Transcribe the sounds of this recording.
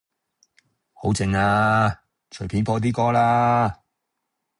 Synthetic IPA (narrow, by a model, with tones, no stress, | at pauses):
ho˨˥wt͡sɪ˨˧ŋaː˧ | t͡ʃʰɵ˨˩pʰiː˨˥npʰɔː˧t̪iː˥kɔː˥laː˥